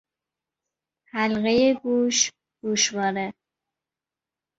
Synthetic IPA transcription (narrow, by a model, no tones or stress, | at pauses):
hælɣejeɡuːʃ | ɡ̪̥uːʃbɒːɾe